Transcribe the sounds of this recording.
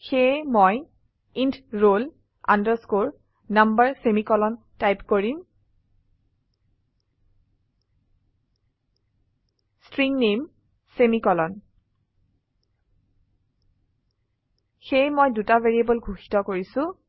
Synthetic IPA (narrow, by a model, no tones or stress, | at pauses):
xejmoj | intɹol | a̰ndəɹskoɹ | nambaɹsemikɔlɔn | tajpkoɹim | stɹiŋnem | semikɔlɔn | xejmojdutaveɹiebɔlɡʱuxi̥tɔkoɹisʊ̃